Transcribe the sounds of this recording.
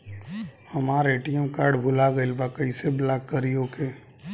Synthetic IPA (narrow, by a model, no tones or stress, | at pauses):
həmaɾeːʈijə̃mkaːɾɖbʱʊlaɡəɪlbakəiseblaːkːəɾijõkʰe